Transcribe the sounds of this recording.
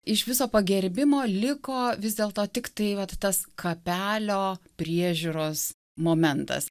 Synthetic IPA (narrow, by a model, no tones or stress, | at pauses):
ɪʃʋʲɪsoːpɐɡʲɛɾʲbʲɪmoːlʲɪkoːʋʲɪzd̪ʲeːlˠt̪oːt̪ʲɪkt̪ɐɪʋɐt̪ːɐskʰɐpʲæːlʲoːpʲɾʲiɛʒʲuɾoːs | moːmʲɛnt̪ɐ̰s